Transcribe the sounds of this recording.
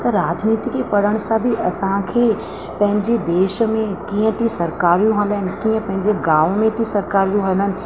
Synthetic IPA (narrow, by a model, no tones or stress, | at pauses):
t̪ɐɾaːd͡ʑniːt̪ikʰepɐɽ̤əɽ̃sãbʱiʔɐsãkʰeː | pɐ̃ɦɪ̃ɲd͡ʑed̪eːʃ̆mẽkiːə̃t̪ʰisɐɾkaːɾijũɦɐləɦɪnɪ̆kiːə̃pɐ̃ɦɪ̃ɲd͡ʑeɡãːʋmẽt̪ʰisɐɾkaːɾijũɦɐlənɪ̆